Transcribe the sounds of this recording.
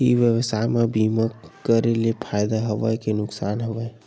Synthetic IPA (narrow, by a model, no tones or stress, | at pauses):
ḭʋjəʋsaːemẽbiːməkkːəɾelepʰaːjd̪aɦəʋəjkenʊksaːnɦəʋəe